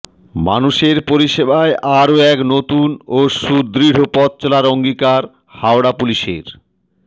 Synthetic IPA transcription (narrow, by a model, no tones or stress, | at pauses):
ma̰nuʃeɾpoɾiʃebaeʔaɾoɛknot̪unoʃud̪ɾiɽ̤opɔt̪̚ːt͡ɕolaɾoŋɡikaɾ | hawɽapuliʃḛɾ